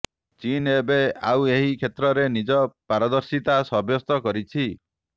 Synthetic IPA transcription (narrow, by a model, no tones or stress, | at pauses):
t͡ʃinebeaweɦikʰet̪ɾɔɾenid͡ʒɔpaɾɔd̪ɔɾsit̪asɔbjɔst̪ɔkɔɾit͡ʃʰi